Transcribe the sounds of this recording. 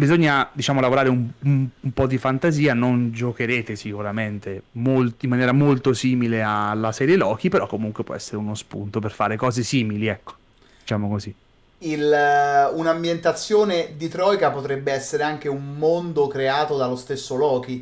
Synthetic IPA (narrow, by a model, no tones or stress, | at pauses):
bizoɲːad̪it͡ʃaːmolavoɾaːɾeumumumpɔd̪ifant̪aziːanond͡ʒokeɾeːt̪esikuɾament̪emoltimːanjɛːɾamolt̪osiːmilealːasɛːɾjelɔːk̟ipeɾɔkːomuŋkwepwɔ̰ɛ̰sːeɾeunospṵnt̪operfa̰ːɾekɔːzesiːmiliɛkːo̥ | dd̪̥it͡ʃaːmokozi | il | unambjent̪at̪sːjoːned̪it̪ɾɔjkapot̪ɾɛbːeɛsːeɾeaŋk̟eummond̪okɾeaːt̪od̪alost̪esːolɔːk̟i